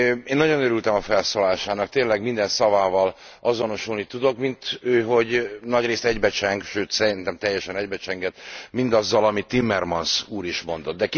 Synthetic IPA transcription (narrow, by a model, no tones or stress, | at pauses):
eːnːɒɟo̞nøɾylt̪ɛmɒfɛlsoːlaːʃaːnɒk̚t̪eːnlɛɡmind̪ɛnsɒvaːvɒl | ʔɒzo̞no̞ʃulnit̪ud̪o̞kmint̪øːɦo̞ɟnɒɟreːst̪ɛɟbɛt͡ʃɛŋɡʃøːt̪sɛɾint̪ɛmt̪ɛjːɛʃɛnɛɟbɛt͡ʃɛŋɡɛt̪mind̪ɒzːɒlɒmit̪ːimːɛrmɒnsuːɾiʃmo̞nd̪o̞d̪̚d̪ɛk